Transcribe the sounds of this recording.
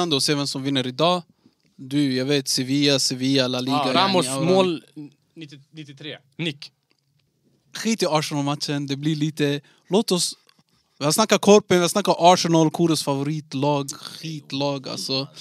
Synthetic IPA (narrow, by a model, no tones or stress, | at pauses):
and̪əɔseːvɛmsɔmvɪnːəɾɪd̪ɑː | d̪ʉjɑːɡveːt̪sɛviːaseviːaɛlːaliɡ̪aamɔamoːl | nnɪt̪ːɪt̪ʰɾeː | nɪk | ɧiːt̪ɪɑːʂənalmat̪ʃənd̪ɛbliɭiːt̪ə | loːt̪ɔs | vɪhalsnakːakʰɔɾpənvɪhasnakːaɾɔɑːʂɛnalkʰuːɾəsfavʊɾiːt̪lɑːɡɧiːt̪lɑːɡa̰lsɔ